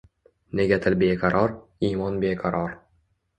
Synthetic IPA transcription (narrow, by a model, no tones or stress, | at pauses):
neɡʲæt̪ʰɘlbeːqɑɾʔɑɾimɒnbeːqɑɾɒɾ